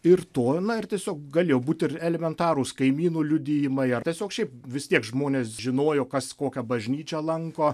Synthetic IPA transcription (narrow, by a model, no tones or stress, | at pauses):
ɪrt̪oːnɐɪrt̪ʲiɛsʲoːkɡɐlʲeːjoːbuːt̪ʲɪrɛlʲɛmʲɛnt̪ɑːɾʊskɐɪmʲiːnuːlʲʊd̪ʲɪːjɪmɐɪɐrt̪ʲiɛsʲoːkʃʲɛɪpʋʲɪst̪ʲiɛkʒmoːnʲeːsʒʲɪnoːjoːkɐskoːkʲɛbɐʒʲnʲiːt͡ʃʲɛlˠɐŋkoː